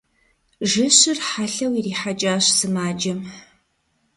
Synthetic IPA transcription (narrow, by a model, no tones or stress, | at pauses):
ʒɨɕɪrħaɬɐwiriːħad͡ʒʼaːɕsɨmaːd͡ʒɐm